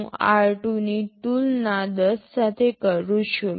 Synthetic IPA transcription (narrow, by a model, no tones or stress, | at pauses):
aɾʈunit̪uːlnad̪əsːat̪ʰekəɾũɕu